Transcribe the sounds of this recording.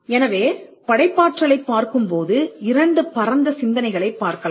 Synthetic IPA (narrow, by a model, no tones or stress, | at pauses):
ɛnɐʋeːpɐɽɐɪpːaːʈrɐɭɐɪpːaːɾkɯmpoːðɯɪɾɐɳɖɯpɐɾɐnd̪ɐsɪnd̪ɐnɐɪɣɐɭɐɪpːaːɾkɐla